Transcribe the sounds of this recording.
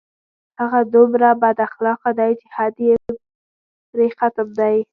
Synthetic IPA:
haɣad̪umɾabad̪axlɑqad̪ajt͡ʃɪhad̪je | ɾexat̪amd̪aj

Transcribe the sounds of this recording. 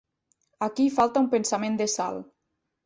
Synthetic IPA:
akifalˠt̪aumpensamẽnd̪esa̰lˠ

